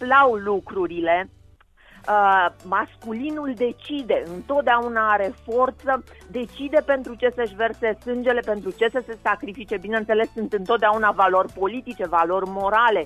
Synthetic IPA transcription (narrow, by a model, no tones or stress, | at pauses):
lawlukɾuɾile̞ | maskulinuld̪e̞t͡ʃid̪e̞ɨnt̪o̞t̪̚d̪eaunaaɾe̞fo̞rt̪səd̪e̞t͡ʃid̪e̞pe̞nt̪ɾut͡ʃe̞səʃve̞rse̞sɨnd͡ʒe̞le̞pe̞nt̪ɾut͡ʃe̞səse̞sakɾifit͡ʃe̞binent̪se̞le̞sːɨnt̪ɨnt̪ot̪d̪eaunavalo̞rʲpo̞lit̪it͡ʃe̞valo̞rʲmo̞ɾale̞